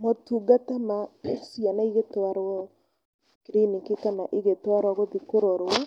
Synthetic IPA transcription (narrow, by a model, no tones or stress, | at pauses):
mɔtuɡatamasianaiɣetwaɾwɔ | kiɾinikikanaʔiɣetwaɾɔɣoðikoɾoɾwa